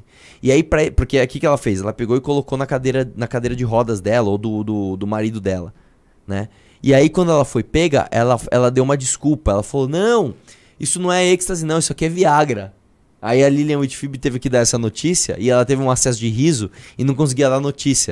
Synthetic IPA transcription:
ɪaipɾɐɛpoɾkeakikɪɛlɐfejzɛlɐpeɡowɪkolokonɐkad̪ejɾɐnɐkad̪ejɾɐd͡ʒɪɦɔd̪ɐzd̪ɛlɐowd̪ʊd̪ʊd̪ʊmaɾid̪ʊd̪ɛlɐ̰ | nɛ̰ | ɪaikwɐ̃nd̪ʊɛlɐfojpeɡɐ̰ʔɛlɐɛ̰lɐd̪ewũmɐd͡ʒɪskupɐɛlɐfalonɐ̃w̃ | isʊnɐ̃w̃ɛekst̪ɐzɪnɐ̃w̃isʊakiɛviaɡɾɐ | aiɐliliɐ̃wit͡ʃfibɪt̪evɪkɪd̪aɾɛsɐnot͡ʃisiɐ̰ʔɪɛlɐt̪evɪũasɛs̬ʊd͡ʒɪɦizʊɪnɐ̃w̃kõs̬ɪɡiɐd̪aɾnot͡ʃisiɐ

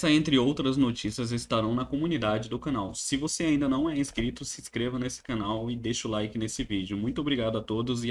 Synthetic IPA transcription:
sɐẽnt̪ɾɪowt̪ɾɐznot͡ʃisiɐzɪst̪aɾɐ̃w̃nɐkomunid̪ad͡ʒɪd̪ʊkãnawsɪvoseaĩnd̪ɐnɐ̃w̃ɛĩskɾit̪ʊsɪskɾevɐnesɪ̥kanawɪd̪eʃʊlajkɪnesɪvid͡ʒʊmũj̃t̪ʊobɾiɡad̪ʊat̪od̪ʊzɪ

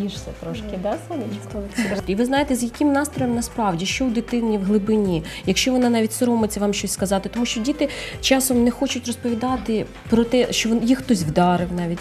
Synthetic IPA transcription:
iʃsɛt̪ɾɔʃkɪd̪ɛsɔnɪt͡ʃkɔiʋɪznɑjet̪ɛzjɐkɪmnɑst̪ɾɔjɛmnɐspɾɑwdʲiʃt͡ʃɔʊd̪ɪt̪ɪnʲːiwɦlˠɪbɪnʲijɐkʃt͡ʃɔʋɔnɑnɑʋʲitʲsɔɾɔmɪt͡sʲɐʋɑmʃt͡ʃɔsʲskɐzɑt̪ɪt̪ɔmuʃt͡ʃɔdʲit̪ɪt͡ʃɑsɔmnɛxɔt͡ʃʊtʲrɔspɔʋʲid̪ɑt̪ɪ | pɾɔt̪ɛʃt͡ʃɔjixt̪ɔsʲʋd̪ɑɾɪwnɑʋʲitʲ

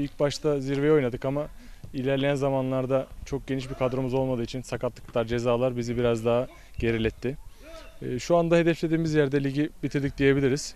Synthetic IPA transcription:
ilʲc̚baʃt̪ʰaziɾvejo̞jnad̪ɯkama | ilʲæɾlʲejænzamanlˠaɾd̪at͡ʃʰo̞k̚ɟ̥ʲeniʃbikʰad̪ɾomɯzo̞lˠmad̪ɯːit͡ʃʰinsakat̪lˠɯ̥klˠaɾd͡ʒe̞zaːlˠaɾbizibiɾazd̪aɦa | ɟ̥e̞ɾilʲɛt̪ʰːɪ | ʃuand̪aɦe̞d̪ɛflʲe̞d̪iːmizjæɾd̪ɛlʲiɟibit̪ʰiɾd̪ic̚d̪ije̞bilʲiɾiz̥

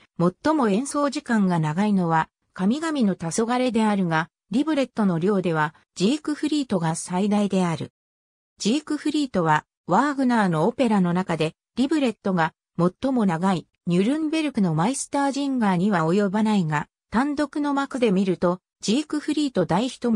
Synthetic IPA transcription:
mo̞t̪ːo̞mo̞ẽ̞ɰ̃so̞ːʑikãŋɡanaɡaino̞βa | kamʲiɡamʲino̞t̪aso̞ɡaɾe̞d̪e̞aɾɯ̟ɡa | ɾʲibɯ̟ɾe̞t̪ːo̞no̞ɾʲo̞ːd̪e̞βa | d͡ʑiːkɯ̟ɸɯ̟ɾʲiːt̪o̞ɡasaid̪aid̪e̞aɾɯ̟̰ | d͡ʑiːkɯ̟ɸɯ̟ɾʲiːt̪o̞β̞a | βaːɡɯ̟naːno̞ope̞ɾano̞nakad̪e̞ | ɾʲibɯ̟ɾe̞t̪ːo̞ɡa | mo̞t̪ːo̞mo̞naɡai | ɲ̟ʲɯɾɯ̟̃mbe̞ɾɯ̟kɯ̟no̞maisɨ̥t̪aːʑĩŋɡaːɲ̟iβao̞jo̞banaiɡa | t̪ãnd̪o̞kɯ̟no̞makɯ̟d̪e̞mʲiɾɯ̟t̪o | d͡ʑiːkɯ̟ɸɯ̟ɾʲiːt̪o̞d̪aiçi̥t̪o̞

